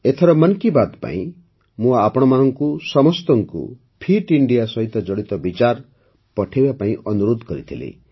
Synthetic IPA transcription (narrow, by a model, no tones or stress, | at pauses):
et̪ʰeɾɔmɔnkibat̪pa̰ḭ̃ | mũapɔɽ̃ɔmanɔŋkusɔmɔst̪ɔŋkṵ | pʰiʈiɳɖijasɔɦit̪ɔd͡ʒɔɽit̪ɔbit͡ʃaɾ | pɔʈʰibapaĩʔɔnuɾod̪kɔɾit̪ʰilḭ